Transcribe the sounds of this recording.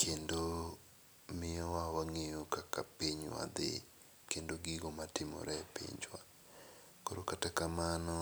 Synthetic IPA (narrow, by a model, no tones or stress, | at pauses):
kʰendo | mɪjɔwawaŋejokakapiɲwa̰d̪ɪ̰ | kendoɡɪɡɔmatɪmɔ̰ɾɛpḭɲd͡ʒwa̰ | koɾokatakamanɔ